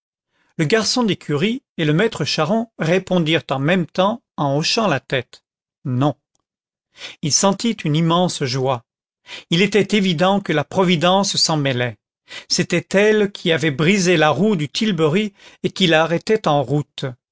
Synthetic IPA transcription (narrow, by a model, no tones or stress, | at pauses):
ləɡaʁsɔ̃d̪ekʲʰyʁi | eləmɛt̪χəʃaʁɔ̃ʁepɔ̃d̪iʁt̪ɑ̃mɛmt̪ɑ̃ | ɑ̃oʃɑ̃lat̪ɛt̪ | nɔ̃ | ilsɑ̃t̪it̪ynimɑ̃sʒwa | ilet̪ɛt̪evid̪ɑ̃kəlapχɔvid̪ɑ̃ssɑ̃mɛlɛ | set̪ɛt̪ɛlkʲʰiavɛbʁizelaʁud̪yt̪ʰilbøʁiekʲilaʁɛt̪ɛt̪ɑ̃ʁut̪